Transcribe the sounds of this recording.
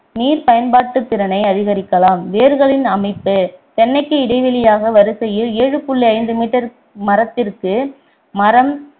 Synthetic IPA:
niːɾpɐjɐnbaːʈːɯt̪ːɪɾɐnɐɪɐðɪɣɐɾɪkːɐlaːmʋeːɾɣɐɭɪnɐmɐɪpːɯt̪ɛnːɐɪkːɯɪɽɐɪʋɪlɪjaːɣɐʋɐɾɯsɐjɪleːɻɯpʊɭːɪɐɪnd̪ɯmiːʈːɐɾ | mɐɾɐt̪ːɪrkɯ | mɐɾɐm

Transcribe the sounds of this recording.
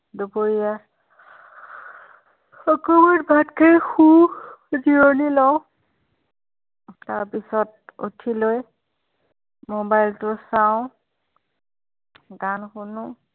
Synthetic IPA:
duboɹija | ɔkɔmatbʱatkʰajxu | zionilɔw | taɹpisɔt̚o̰tʰiloj | mobajltʊsaʊ̃ | ɡanxunʊ

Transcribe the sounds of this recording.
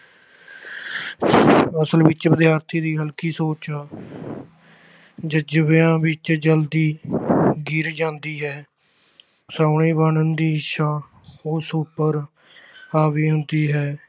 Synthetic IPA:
əsəlʋɪt͡ʃbɪd̪ɪjaːɾt̪ʰiːd̪iːɦəlkiːsoːt͡ʃ | d͡ʒəd͡ʒəʋejãːʋɪt͡ʃd͡ʒəld̪iː | ɡiːɾd͡ʒãːnd̪iːɦɛː | saːɳ̃eːbəɳənd̪iːʃãː | oːsuːpːəɾ | aːʋiːɦʊnd̪iːɦɛː

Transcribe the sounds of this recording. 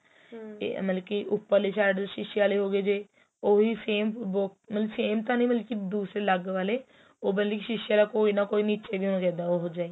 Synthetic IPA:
ḛməlkiʔʊpːəɾliːsaːɖʃɪʃiaːleːɦoːɡeːd͡ʒeː | oːʋiːpʰeːmbokmət̪ləbfʰeːmt̪ãːnə̃ĩːməlkid̪uːsɾeːləɡʋaːleː | oːbənlikiʃɪʃaːlaːkoːinaːkoːiːniːt͡ʃeːbiːɦonkɛ̃ːd̪aoːɦoːd͡ʒaːeː

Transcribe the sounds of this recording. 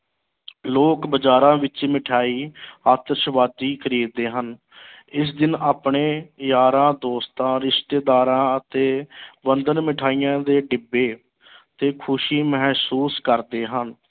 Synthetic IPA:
loːkbəd͡ʒaːɾãːʋɪt͡ʃmɪʈʰaːiːaːt̪əɾʃəʋaːd̪iːkʰəɾiːd̪eːɦən | ɪs̬d̪ɪnaːpɳeːjaːɾãːd̪oːst̪ãːɾɪʃt̪eːd̪aːɾãːət̪eːʋənd̪ənmɪʈʰaːijãːd̪eːɖɪbːeː | t̪eːkʰʊʃiːməɦɛːsuːskəɾd̪eːɦən

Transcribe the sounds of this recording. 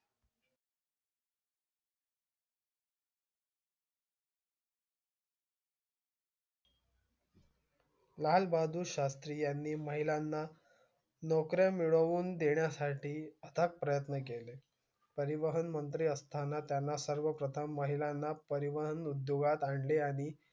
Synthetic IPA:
lalbad̪ʱuːɕast̪ɾiːjanːiːməɦilanːa | nɔkɾjamiɭəʋuːnd̪eɳjasaʈʰiːət̪ʰak̚pɾəjət̪nəkele | pəɾiʋəɦənmənt̪ɾiːəst̪ʰanːat̪janːasəɾʋəpɾət̪ʰəmːəɦilanːapəɾiʋəɦənud̪joɡat̪aɳɖleaɽ̃i

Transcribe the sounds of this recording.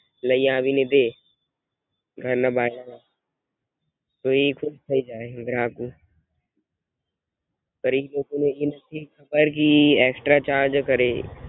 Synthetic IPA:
lɐijãːbined̪eː | ɡʱɐɾnabaːɪnaa | t̪oekʰʊd̚sʰɐid͡ʒaːeɡɾãːkuː | pɐɾɪloːɡõnejenɐtʰixɐbəɾkiɛːksʈɾat͡ʃaːɾd͡ʒkɐɾeː

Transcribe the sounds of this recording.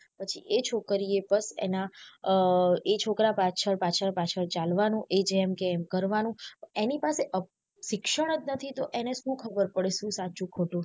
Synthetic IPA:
pət͡ʃʰḭʔet͡ʃʰokəɾiebəsḛna | et͡ʃʰokɾapat͡ʃʰəɾpat͡ʃʰəɾpat͡ʃʰəɾt͡ʃalʋanũʔed͡ʒɛmkeːmkəɾʋanũpəenipaseʔə | ʃɪkʃəɽ̃ət̪nət̪ʰit̪oʔeneʃũkʰəbəɾpəɽeʃũsat͡ʃũkʰoʈũ

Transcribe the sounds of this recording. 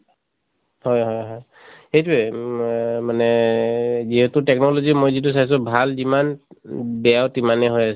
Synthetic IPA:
hɔjɦɔjɦɔj | xejtuɛ | manɛ | ziɦɛtʊtɛk̚nɔlozimojzit̬us̬ajs̬ʊbʱalzimanbɛjawtimanɛɦojasɛ

